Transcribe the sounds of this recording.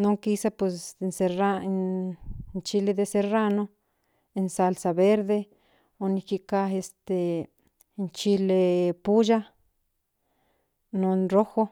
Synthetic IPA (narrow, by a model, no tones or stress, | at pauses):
noŋkisapwesensera | nt͡ʃiled̪eserano | ensalsaβeɾd̪e | onikikaest̪e | nt͡ʃilepud͡ʒa | nonroxo